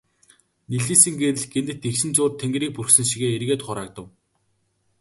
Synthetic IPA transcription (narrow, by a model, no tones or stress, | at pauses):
niɮiːsɘ̆ŋɡeɾɘ̆ɮɡent̪ɘ̆t̪ekʃɘ̆nt͡sʊːrt̪ʰeŋɡriːk̚purxsɘ̆nʃ̬iɣeːeɾɣeːt̪χʊɾaːk̚t̪ə̆w